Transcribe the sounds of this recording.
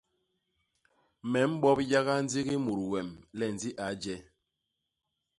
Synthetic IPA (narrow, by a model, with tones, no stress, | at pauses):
mɛ˨˦m̩˦ɓɔ˦p̚ja˦ɣa˦n̩˦d͡zi˦ɣi˦mu˨ɾwɛ˨mlɛ˦˨n˨d͡zi˦ʔa˨˦d͡ʒɛ˦